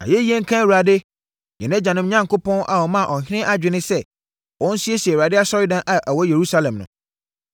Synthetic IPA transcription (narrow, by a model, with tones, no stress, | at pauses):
a̰˨jɛ˦i˦e˦ŋ̩˦kʰã˦˨wu˨ɾa˨de˦ | ɲɛ̰̃˨nɛ̃˦d͡ʑã˨nɪ̃˦mɲã˦ŋkʰo˦pɔ̃˦na̰˨wɔ˨mã˦˨ʔɔ˨ɦɪ˦nɪ̃˦ʔa˦d͡ʑᶣɪ˨nɪ̃˦sɛ˦ | wʔɔ̃˦n̩˦si˦e˦si˨e˨wɾa˨dɪ˦a˦sɔ˦ɾɪ˦dã˨nʔa˨ʔæ˨wɔ˦je˨ɾu˦sa˦lɛ̃˨mnʊ̰̃˨